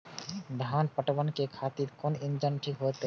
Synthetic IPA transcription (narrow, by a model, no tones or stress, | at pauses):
d̪ʱaːnpəʈbənkekʰaːt̪iɾkonind͡ʒənʈʰikɦot̪